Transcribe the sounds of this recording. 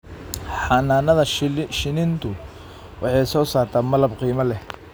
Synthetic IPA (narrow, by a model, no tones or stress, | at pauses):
ħɑnaːnɐðɐʃɪnɪnt̪ʰʊ | wʔɑ̰ħɑjsɔːsaːrt̪ʰaːmɐlɐbqiːmɐlɛh